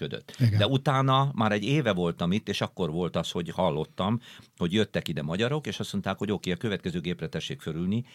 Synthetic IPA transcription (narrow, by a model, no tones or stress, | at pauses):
ød̪ø̰t̪ːiɡd̪ɛut̪aːnɒmaːɾɛɟːeːvɛvo̞lt̪ɒmit̪ːeːʃɒkːo̞rʋo̞lt̪ɒsho̞ɟhɒlːo̞t̪ːɒmho̞ɟjø̞t̪ːɛkid̪ɛmɒɟɒɾo̞keːʃɒsmo̞nt̪aːkho̞ɟokeːɒkøvɛt̪kɛzøːɡeːprɛt̪ɛʃːeːkføɾylni